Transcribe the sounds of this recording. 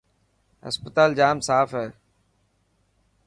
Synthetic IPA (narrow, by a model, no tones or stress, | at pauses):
ɦə̰spət̪aːld͡ʒaːmsaːfɦɛː